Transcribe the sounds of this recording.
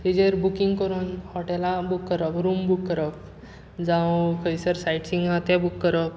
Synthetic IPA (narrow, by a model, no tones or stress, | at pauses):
id͡ʑeɾbukiŋɡkəɾuːnhɔʈɛlabukːəɾəpɾumbukːəɾəp̚ | d͡zãwkʰəjsəɾsajʈsĩŋɡãt̪ɛbukːəɾəp